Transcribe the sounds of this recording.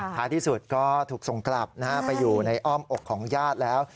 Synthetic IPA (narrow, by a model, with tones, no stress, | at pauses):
t̪ʰaː˨˦t̪ʰiː˥˩su˨˩t̪̚kɔː˥˩t̪ʰuː˨˩k̚so˨˩˦ŋkla˨˩p̚na˦˥a˦˥pa˧jːuː˨˩na˧jʔɔː˥˩mʔo˨˩kʰːɔː˩˦ŋjaː˥˩t̪̚lɛː˦˥w